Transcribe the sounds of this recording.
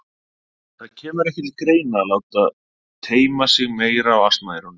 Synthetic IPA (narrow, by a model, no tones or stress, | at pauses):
θaðcʰɛːmʏɾɛhcɛt̪lkɾeːjnalaːwt̪að | t̪ʰeːjmasɪɣmeːjɾaːwafst̪maːjɾʏn